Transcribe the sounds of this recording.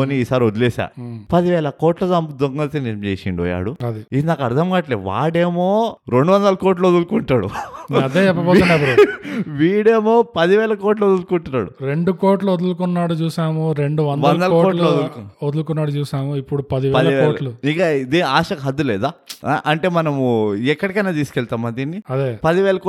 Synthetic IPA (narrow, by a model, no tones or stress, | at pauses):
oːniiːsaːɾiod̪uleːsa̰ːpɐd̪iʋɛːlɐkoːʈlɐd̪ɐmd̪oŋɡɐlt̪enemt͡ʃeːsiɳɖiʋɔ̰ːja̰ːɽuɐd̪iid̪inaːkɐɽd̪ʱɐmɡaːʈleːʋa̰ːʈeːmoːɾeɳɖuʋɐnd̪ɐlɐkoːʈ̬luod̪ulkuɳʈaːɽṵɐd̪eːt͡ʃɛpːɐpɔːunɐʋɐɾuʋiːɽeːmo̞ːpɐd̪iʋɛːlɐkoːɾʈluod̪ulkuɳʈunːa̰ːɽuɾeɳɖukoːɾʈluod̪ulkunːaːɽut͡ʃuːsaːmuɾe̞ɳɖuʋɐndʋɐnlɐd̪ɐlkːoːʈluod̪ullkuod̪ulukunːaːɽut͡ʃuːsaːmuipːuɽupɐd̪iʋɛpɐːɐd̪lɐiʋɛːoːlʈluikɐd̪iːaːʂɐkɦɐd̪ːulɛːd̪aːʔɐɳʈe̞ːmɐnɐmuɛkːɐɽikɐjnaːt̪̬iːsu̥kɛɭt̪aːmad̪iːnːiɐd̪eːpɐd̪iʋɛːlɐkː